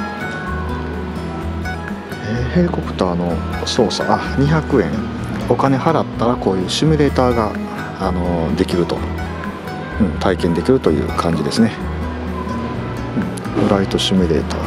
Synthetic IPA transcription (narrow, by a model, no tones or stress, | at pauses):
eːhe̞ːko̞kɯ̟̥t̪aːno̞so̞ːsa̰ʔaɲ̟içakɯ̟ẽ̞ŋ | o̞kane̞haɾat̪ːaɾako̞ːjɯ̟ːɕimʲiɾe̞ːt̪aːɡa | ano̞d̪e̞kʲiɾɯ̟t̪o̞̰ | ɯ̟̃ɴt̪aikẽ̞nd̪e̞kʲiɾɯ̟t̪o̞jɯ̟̰ːkʰãɲ̟d͡ʑid̪e̞sɨne̞ | ɯ̟̃ɴ | ɸɯ̟ɾait̪o̞ɕimʲiɾe̞̰ːt̪a̰ː